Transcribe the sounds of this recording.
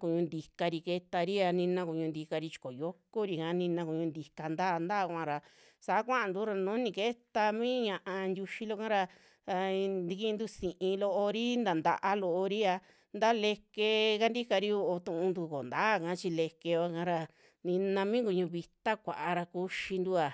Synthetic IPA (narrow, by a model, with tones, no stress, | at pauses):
ku˧ɲũ˧nd̪i˧ka˧ɾi˧ke˧t̪a˧ɾi˦a˧nĩ˧nã˧ku˧ɲũ˧nd̪i˧ka˧ɾi˧˦t͡ʃi̥˧ko˨jo˦ko˦ɾi˧kã˨˦nĩ˧nã˧ku˨ɲũ˧nd̪i˧ka˧nd̪aː˦˨˧nd̪a˦˧kʷã˧ɾa˧ | sa˨˦kʷã˦a˧nd̪u˦ɾa˧nõ˨˦nĩ˧ke˦t̪a˧mĩː˦ɲã˧ʔã˧ndʲu˧ʃi˧lo˧kã˦ɾa˧ | d̪i˧ki˧nd̪u˦sĩ˨ʔĩ˧lo˧ʔo˧ɾi˦nd̪a˨nd̪a̰˧ʔa˧lo˧ʔo˧ɾi˦a˧ | nd̪a˦le˧ke˧ka˧nd̪i˦ka˧ɾi˧o˧ʔo˧t̪ũ˧ʔũ˧nd̪u˧ko̰˨nd̪a˦˨kã˨˦t͡ʃi˧le˧ke˧o˧˦kã˦ɾa˧ | nĩ˧nã˧mĩ˦ŋku˧˨ɲũ˧βi˧t̪a˦kʷa̰˨ʔa˧ɾa˧ku˧ʃi˧nd̪u˦a˨